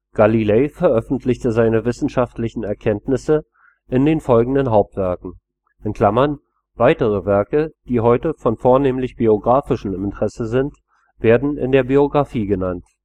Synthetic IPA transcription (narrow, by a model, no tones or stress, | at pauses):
ɡ̥alileːfɛɐʔœfn̩tʰlɪçtəzaɪnəvɪsn̩ʃaftlɪçn̩ɛɐkʰɛntnɪsə | ʔɪndeːnfɔlɡŋ̩dənɦaʊp̚tv̥ɛɐkŋ̩ | ʔɪnkʰl̥amɐn | v̥aɪtəʁ̞əvɛɐkəd̥iːɦɔʏtəfɔnfoːɐneːmlɪçb̥ioɡʁaːfɪʃəm̩ɪmɪntəʁ̥ɛsəzɪnt | v̥eːɐdn̩ɪ̰ndeːɐbioɡʁafiːɡənant